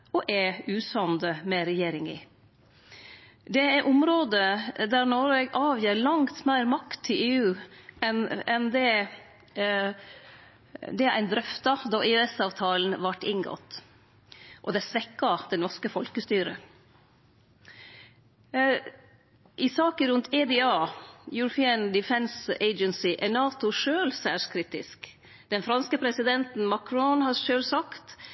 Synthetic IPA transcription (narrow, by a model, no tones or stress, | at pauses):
ʔɔʔɛʉːsɑnd̪əmɛɾɛjeːɾɪŋɪ̰ | d̪ɛæʔʊmɾoːd̪əd̪æɾnɔɾɛɡʔɑːʋjiːɾlɑŋt̪mæɪɾmɑkt̪ʰːɪleːʉːɛnɛnd̪ɛ | d̪ɛæ̰ɪnd̪ɾœft̪ɑd̪ɑʔɪɛsɑːʋt̪ʰɑːln̩ʋɑʈːɪŋɡɔ̰t̪ː | ʔɔd̪ɛsʋɛkːɑd̪ɛnʋɑskəfɔlkəst̪yːɾə | ʔɪsɑːkəɾʉnt̪ʰɛd̪ɪɑːjʉɾʊpʰɪənd̪ɪfɛnseɪd͡ʒənsɪʔænɑːt̪ʊʂøːlsæːʂkʰɾit̪ɪ̰sk | d̪̥ɛnfɾɑnskəpʰɾɛsɪd̪ɛnt̪n̩mɑkʰɾɔnhɑɾʂøːlsɑkt̪